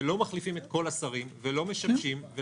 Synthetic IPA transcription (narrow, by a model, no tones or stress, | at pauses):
lo̞maχlifimet̪ko̞lasaʁimvelo̞me̞ʃamʃimve